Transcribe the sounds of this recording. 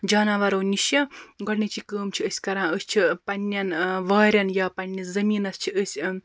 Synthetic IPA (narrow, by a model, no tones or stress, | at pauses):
d͡ʒaːnɐʋɐɾɐːniʃjɐɡɐɽnit͡ʃʰikəːmt͡ʃʰiəsʲkɐɾãːəsʲt͡ʃʰipɐnʲːjɐnʋɐːɾʲɐnjaːpɐnʲːizɐmiːnɐst͡ʃʰiəsʲ